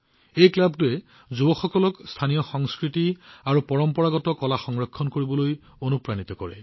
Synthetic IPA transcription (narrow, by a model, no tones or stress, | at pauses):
ejklabtuɛ | zubɔxɔkɔlɔkstʰanijɔxɔŋskɹitiaɹupɔɹɔmpɔɹaɡɔtɔkɔlaxɔŋɹɔkʰːɔnkoɹibɔloj | onupɹanit̪ɔkɔɹɛ̰